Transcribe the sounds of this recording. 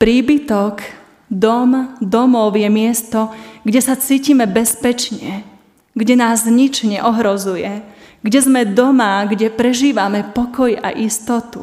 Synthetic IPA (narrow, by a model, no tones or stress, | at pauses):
pɾiːbit̪ɔk | d̪ɔmd̪ɔmɔʊjɛmɪɛst̪ɔɡɟɛsat͡siːcimɛbɛspɛt͡ʃɲɛ | ɡɟɛnaːzɲit͡ʃɲɛ̰ʔɔɦɾɔzujɛ | ɡɟɛzmɛd̪ɔmaɡɟɛpɾɛʒiːʋamɛpɔkɔja̰ʔist̪ɔt̪ṵ